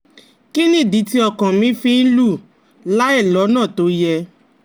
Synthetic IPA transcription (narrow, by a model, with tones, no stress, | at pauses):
ki˦nĩ˦˨di˨˦ti˧˦ɔ˧kã˨mĩ˨˦fĩ˧n̩˦lu˦˨ | la˦ɛ˦˨lɔ˨˦nãː˦˨to˨˦jɛ˧